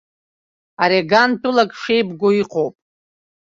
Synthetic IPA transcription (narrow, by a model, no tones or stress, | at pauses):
aɾeɡantʰʼulakʼʂejbɡʷoiqʰʼowpʼ